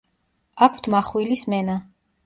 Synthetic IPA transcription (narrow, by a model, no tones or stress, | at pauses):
akʰv̥t̪ʰmaχwilismɛna